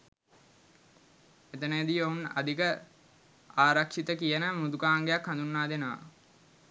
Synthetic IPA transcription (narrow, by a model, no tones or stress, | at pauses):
et̪ənəd̪ijona̰d̪ikə | aːɾakʂit̪əkijənəmud̪ukaːŋɡejakhand̪unːaːd̪enəʋa̰